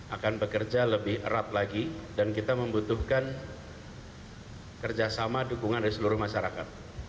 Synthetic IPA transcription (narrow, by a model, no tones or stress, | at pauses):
ʔakanbəkərd͡ʒaləbɪhə̰ɾat̪̚laɡidankit̪aməmbut̪uhkan | kərd͡ʒasamadukuŋandaɾisəluɾʊhmaʃaɾakat̪̚